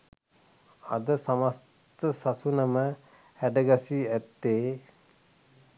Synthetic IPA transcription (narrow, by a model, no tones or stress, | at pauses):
a̰d̪əsamas | t̪əsasunəmə | hæɖəɡasiæt̪ːeː